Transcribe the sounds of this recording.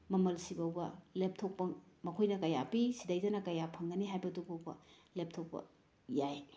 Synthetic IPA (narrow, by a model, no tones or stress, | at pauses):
mɐmɐlsibɐwbɐlep̚tʰok̚pɐmɐkʰojnɐkɐjapisidajdɐnɐkɐjapʰɐŋɡɐniɦajbɐduɡowbɐ̰ | lep̚tʰok̚pɐ̰ | jaj